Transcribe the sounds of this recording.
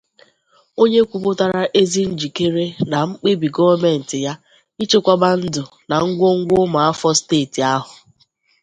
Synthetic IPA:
o˦ɲe˦kʷu˨k͡po˦ta˦ɾa˦ʔe˦zi˦n̩˦d͡ʒi˨ke˦ɾe˦na˨ŋ͡m̩˦k͡pe˦bi˨ɡɔ˦va˦me˨n̩˨tɪ˨ja˦ | i˦t͡ʃe˦kʷa˦ba˦n̩˦dʊ˨ | na˨ŋ̩˦ɡʷo˦ŋ̩˦ɡʷʊ˦ma˨a˦fɔ˦steː˦˨ti˨a˦ɦʊ˨

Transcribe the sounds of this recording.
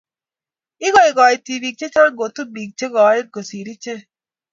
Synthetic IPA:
i˦ɡɔ˨i˨ɡɔ˨i˨ti˨bi˨k̚t͡ʃe˦t͡ʃa˦ɾɡo˨tu˦bi˨k̚t͡ʃe˦ɡɔ˨˦e˦ɡo˨si˨ɾi˦t͡ʃe˦

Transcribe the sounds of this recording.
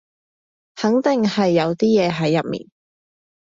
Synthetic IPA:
hɐ˨˥ŋt̪ɪ˨ŋhɐ˨jːɐ˨˧wt̪iː˥jɛː˨˧ɦɐ˨˥jːɐ˨p̚mḭː˨n

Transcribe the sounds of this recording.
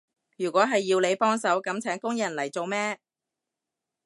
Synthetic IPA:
jyː˨˩kʷɔː˨˥ɦɐ˨jːiː˧wle˨˧jpɔː˥ŋsɐ˨˥wkɐ˨˥mt͡sʰɛː˨˥ŋkʊ˥ŋjɐ˨˩nlɐ˨˩jt͡so˨wmɛː˥

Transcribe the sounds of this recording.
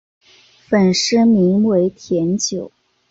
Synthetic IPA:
fə˨˩nʂə˥mi˧˥ŋwe˧˥ɪt̪ʰjɛ˧˥nt͡ɕjo˨˩˦ʊ

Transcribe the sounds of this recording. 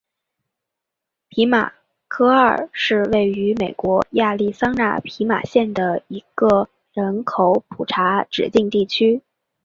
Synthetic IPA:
pʰi˧˥ma̰˨˩ | kʰɤ˥ə˞˥˩ʂɻ̩˥˧we˥˩ɪy˧˥me˨˩ɪkwɔ˧˥ja˥˧li˥˩sɑ˥ŋna̰˥˩pʰi˧˥ma̰˨˩ɕjɛ˥˩nd̪ə˩i˧˥ɡ̥ə˧ | ɻə˧˥nkʰo˨˧˥ʊpʰu˨˩ʈ͡ʂʰa˧˥ʈ͡ʂɻ̩˨˩t̪i˥˧ŋt̪i˥˩t͡ɕʰy˥

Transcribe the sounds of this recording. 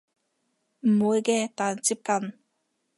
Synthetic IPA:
mo˦ɡɛ˦t̪a˨nt͡si˦p̚kan

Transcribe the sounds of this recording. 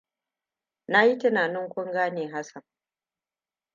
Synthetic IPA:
na˦ji˦tɐ˦naː˨nɪ˦ŋkʷʊ˦ŋɡaː˦neː˨ɦa˦sɐ˨ŋ

